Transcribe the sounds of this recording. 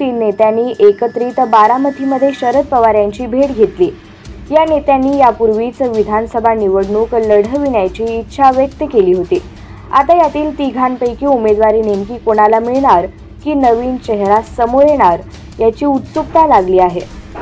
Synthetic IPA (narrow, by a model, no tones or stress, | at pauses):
inet̪janːiːʔekət̪ɾiːt̪əbaɾamət̪ʰiːməd̪ʱːjeɕəɾət̪̚pəʋaɾjaɲt͡ɕiːbʱeɽɡʱet̪liː | janet̪janːiːjapuɾʋit͡sʋid̪ʱansəbʱaniʋəɽɳukləɽ̤əʋiɳjajt͡ɕiːt̪ːɕʰaʋjək̚t̪əkeliːɦot̪iː | a̰t̪ajat̪iːlt̪iɡʱanpəjkiːumed̪ʋaɾiːneŋkiːkoɽ̃alamiɭɳaɾ | kiːnəʋiːnt͡ɕəɦɾasəmoɾeɽ̃aɾ | jat͡ɕiːut̪suk̚t̪alaɡliːaɦe